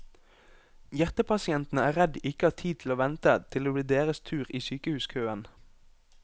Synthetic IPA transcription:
jæʁt̪əpʰɑsɪɛnt̪n̩əæːʁɛd̪ɪkəhɑːʁt̪ʰiːt̪ʰl̩oːʋɛnt̪ət̪ʰɪloːbliːd̪eːʁəst̪ʰʉːʁiːsyːkəhʉːskʰøːən

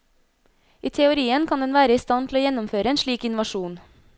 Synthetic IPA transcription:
ʔiːt̪ʰɛʊɾiːənkʰɑnd̪ɛnʋæːɾəiːst̪ɑnt̪ʰl̩oːjɛnʊmføːɾəeːnʃɭiːkɪnʊʋɑʃuːn

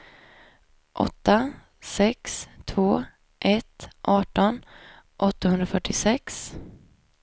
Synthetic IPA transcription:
ʔɔ̰t̪ːa | sɛkst̪ʰvoː | ʔɛt̪ʔɑːʈɔn | ʔɔt̪ːahɵnd̪ɾafœʈːɪsɛks

